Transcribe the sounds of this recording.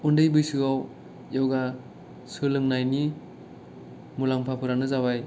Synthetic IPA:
undɯjbɯjsɯɡaw | jawɡa | sɯlɯŋnajni | mulaŋpʰapʰɯɾanɯzabaj

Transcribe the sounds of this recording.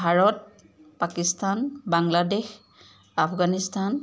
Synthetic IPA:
bʱaɹɔt̚ | pakistʰanbaŋladex | apʰɡanistʰan

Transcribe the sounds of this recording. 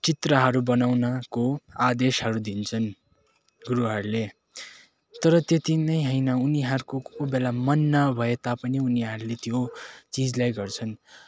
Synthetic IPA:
t͡sit̪rʌɦʌɾubʌnawnʌkoad̪esɦʌɾud̪int͡sʰʌn | ɡuɾuɦʌɾule | t̪ʌɾʌt̪et̪inʌjɦʌjnʌuniɦʌɾukoobelamʌnːʌbʱʌet̪apʌniuniɦʌɾulet̪jot͡sid͡zlajɡʌrt͡sʰʌn

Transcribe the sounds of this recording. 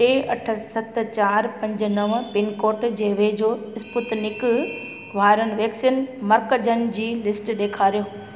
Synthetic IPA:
ʈeːɐʈʰə̆sɐt̪t͡ɕaːɾpɐ̃ɲd͡ʑə̆nɐʋpɪnkoːʈd͡ʑeɦʋed͡ʑoːɪspʊt̪nɪk̆ | ʋ̤aːɾənɪ̆ʋeːksinmɐɾkəd͡ʑənɪ̆d͡ʑiːlɪsʈɗeːkʰaːɾijoː

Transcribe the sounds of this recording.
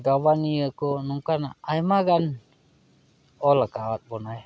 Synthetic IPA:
ɡawaniəkonuŋkanaajmaɡan | ɔlakaat̪̚bɔnaj

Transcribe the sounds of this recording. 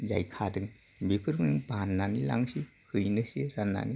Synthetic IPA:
za̰jkʰadɯŋ | bikʰɯɾmŋbanːanila̰ŋsi | hʰɯjnɯsiɾanːa̰ni

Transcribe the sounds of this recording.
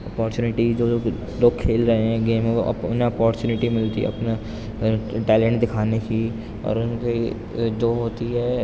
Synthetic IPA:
ɐpɔːɾt͡ʃuːnɪʈid͡ʒoː | loːɡ̚kʰeːlɾɐɦeɦɛ̃ɡeːm̰ʊnɦẽɔːpɔːɾt͡ʃuːnɪʈimɪlt̪ḭɐ̰pna | ʈɛːlẽːɳʈd̪ɪkʰaːneki | ɔ̰ːɾʊnki | d͡ʒoːɦoːt̪iɦɛː

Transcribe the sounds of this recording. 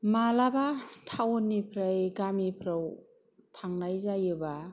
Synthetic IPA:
malabatʰawɔnːipʰɾajɡamipʰɾaw | tʰaŋnajzajɯba

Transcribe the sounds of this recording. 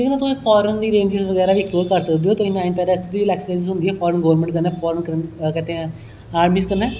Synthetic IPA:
d͡ʒeknãːt̪ʊsẽːfʰɔːɾənd̪iːɾẽːɲd͡ʒɪzʋəɡɛːɾaːʋiːɪkʰloːɾkəɾsəkd̪iɦoːt̪ʊĩnaːɪnpɛːd̪aɪst̪ʰed̪ʋiːlɛːkssaɪzɪzɦʊ̃nd̪iɛːfʰɔːɾənɡəːʋəɾmẽɳʈkəɾnɛːpʰɔːɾənkəɾkɛːt̪eɦɛ̃ | aːɾmiːskəɾnɛː

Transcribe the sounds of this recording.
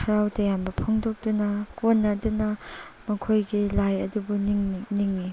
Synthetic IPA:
kʰɐɾawdɐjambɐpʰoŋdok̚dunɐkonːɐdunɐmɐkʰojɡilajɐdubunŋniŋːi

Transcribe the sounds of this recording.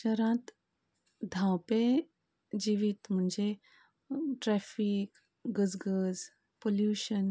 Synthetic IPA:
t͡ʃəɾãt̪ | d̪ʱãwpe | d͡ʑiʋit̪m̤əɳd͡ʒe | ʈɾɛfiːk | ɡəd͡zɡəd͡z | poljuːʃən

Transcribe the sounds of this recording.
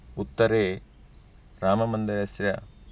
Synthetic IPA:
ut̪ːɐɾeː | ɾaːmɐmɐnd̪ɐɾɐsɾɐ

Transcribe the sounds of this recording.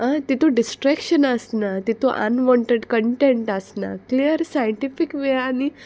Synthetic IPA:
ãt̪it̪ʰoɖisʈɾakɕənəsnat̪it̪ʰoʔə̰nʋɔɳʈeɖkəɳʈeɳʈəsna̰kliəɾsajəɳʈifikʋeani

